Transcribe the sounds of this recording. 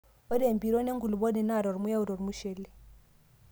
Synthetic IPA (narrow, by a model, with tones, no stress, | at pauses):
ɔ˦de˨mbi˨ɾo˦ne˦ŋɡu˨lu˨bo˦di˨na˦˨ɾo˨ɾmu˦ja˦u˨ɾo˨ɾi˨mu˦ʃɛ˨le˦